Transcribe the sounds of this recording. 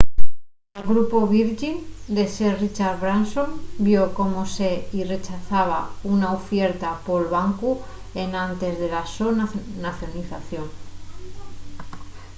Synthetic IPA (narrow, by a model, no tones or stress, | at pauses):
elɣɾupo̞βiɾʝind̪e̞serit͡ʃaɾβɾanso̞mbjo̞ko̞mose̞ire̞t͡ʃaθaβ̞aunaufje̞ɾt̪apo̞lβaŋku | e̞nãnt̪e̞zðe̞lasonnaθjo̞niθaθjo̞ŋ